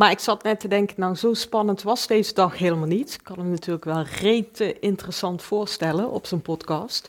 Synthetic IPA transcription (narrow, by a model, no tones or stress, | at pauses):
maːɹɪksɑtnɛtədɛŋkənawzowspɑnəntʋɑzdejzədɑxɦeːləmalˠnitɪkkːɑnnatyːɹləkʋɛlˠrejtəʔɪntərəsɑntfʊːɹstɛlənʔɔ̰psonpɔtkɑːst